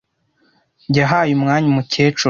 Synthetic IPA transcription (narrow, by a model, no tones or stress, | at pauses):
ɟaɦaːjumŋaːɲumuceːt͡ʃu